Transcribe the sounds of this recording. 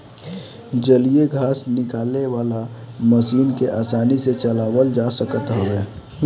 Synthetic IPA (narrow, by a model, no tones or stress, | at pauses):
d͡ʒəlijeɡʱaːsnɪkaːlneʋaːla | məsiːnkeʔaːsaːniset͡ʃəlaːwəld͡ʒasəkət̪ɦoɛː